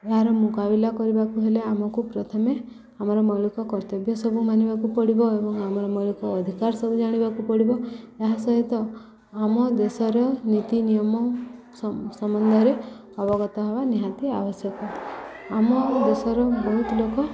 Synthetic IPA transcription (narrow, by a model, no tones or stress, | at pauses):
eɦaɾɔmukabilakɔɾibakuɦeleamɔkupɾɔt̪ʰɔme | amɔɾɔmɔɭukɔkɔɾt̪ɔbjɔsɔbʱumanibakupɔɽibɔebɔŋamɔɾɔmɔlukɔːd̪ʱikaɾsɔbud͡ʒaɽ̃ibakupɔɽibɔeɦasɔɦit̪ɔ | amɔd̪esɔɾɔnit̪inijɔmɔ | sɔmɔnd̪ʱɔɾe | ɔbɔɡɔt̪ɔɦɔbaniɦat̪iabɔsjɔkɔamɔd̪esɔɾɔbɔɦut̪ɔlokɔ